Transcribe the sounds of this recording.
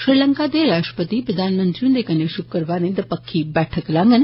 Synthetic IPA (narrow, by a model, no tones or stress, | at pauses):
ʃɾiləŋkad̪eɾaʃʈə̥pət̪ipɾəd̪ʱanmənt̪ɾjũnd̪ekəneʃukkəɾʋanẽd̪əpəkʰːibɛʈʰəklãːŋɡən